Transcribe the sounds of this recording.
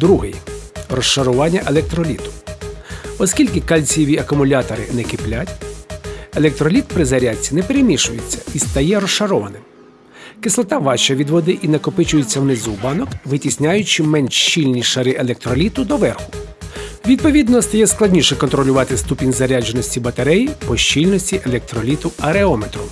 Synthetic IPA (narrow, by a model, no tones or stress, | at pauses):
d̪ɾuɦɪjrɔʃʃɐɾʊʋɑnʲːɐʔelˠɛk̚t̪ɾɔlʲit̪ʊ̥ | ɔsʲkʲilʲkɪkalʲt͡sʲjɔʋʲiɐkʊmʊlʲat̪ɔɾɪ̰nɛkɪplʲatʲ | elˠɛk̚t̪ɾɔlʲit̪̚pɾɪzɐɾʲat͡sʲːinɛpeɾemʲiʃʊjet͡sʲːɐ̥ist̪ɐjɛɾɔsʃɐɾɔʋɐnɪm | kɪslˠɔt̪ɑʋɑt͡ʃɐʋʲid̪ʋɔd̪ɪʔinɐkɔpɪt͡ʃʊjʊt͡sʲːɐwnɪzubɑnɔkʋɪtʲisʲnʲajʊt͡ʃɪmɛnʲʃt͡ʃilʲnʲiʃɐɾɪʔelˠek̚t̪ɾɔlʲit̪ʊd̪ɔʋɛrxʊ̥ | ʋʲid̪̚pɔʋʲid̪nɔst̪ɐjɛsklˠɐdʲnʲiʃɛkɔnt̪ɾɔlʲʊʋɑt̪ɪst̪upʲinʲzɐɾʲad͡ʒenɔsʲtʲibɐt̪ɐɾɛjpɔʃt͡ʃilʲnɔsʲtʲiʔelˠɛk̚t̪ɾɔlʲit̪ʊɐɾeɔmet̪ɾʊ